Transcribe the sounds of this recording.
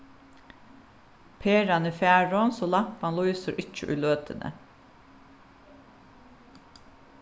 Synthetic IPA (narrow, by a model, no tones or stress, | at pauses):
pʰeːɾɑnəːfjæːɹonsoːlɑpɑnlʊisəɾʔɪt͡ʃə̰ʔʉ̰ːløːt̪ʰənʔə̰